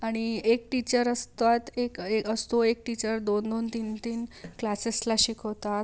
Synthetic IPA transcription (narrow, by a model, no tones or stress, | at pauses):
aɽ̃iek̚ʈit͡ɕəɾəst̪at̪ekeəst̪oek̚ʈit͡ɕəɾd̪ond̪ont̪iːnt̪iːnklaseslaɕiːkɦot̪a